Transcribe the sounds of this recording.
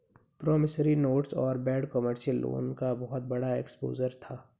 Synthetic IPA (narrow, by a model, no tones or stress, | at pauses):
pɾɔːmɪsɾinoːʈsɔːɾbɛːɖkəməɾʃəlːo̰ːnkabɔɦʊt̪̚bɐɽaekspo̰ːzəɾt̪ʰaː